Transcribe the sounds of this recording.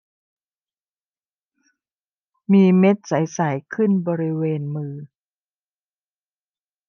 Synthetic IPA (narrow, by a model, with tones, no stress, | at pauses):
miː˧me˦˥t̪̚sa˩˦jsa˩˦jkʰɯ˥˩nbɔː˧ɾi˦˥weː˧nmɯː˧